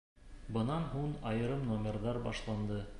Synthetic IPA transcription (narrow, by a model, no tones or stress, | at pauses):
bɤ̆nɑnɦuɴɑjɤ̆ɾɤmnomʲerðɑɾbɑʃlˠɑnd̪ɤ